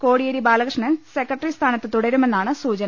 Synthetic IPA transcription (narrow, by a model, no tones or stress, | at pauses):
ko̞ːɽijɐɾibaːlɐkrʂɳɐnsekːɐʈːrist̪ʰaːnɐt̪ːɨt̪uɽɐɾume̞nːaːɳɨsuːt͡ɕɐnɐ